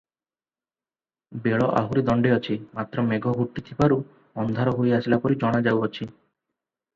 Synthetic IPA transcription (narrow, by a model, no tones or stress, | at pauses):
beɭɔʔa̰ɦuɾid̪ɔɳɖeɔt͡ʃʰimat̪ɾɔmeɡʱɔɦuʈːit̪ʰibaɾu | ɔnd̪ʱaɾɔɦoiasilapɔɾid͡ʒɔɽ̃ad͡ʒawɔt͡ʃʰi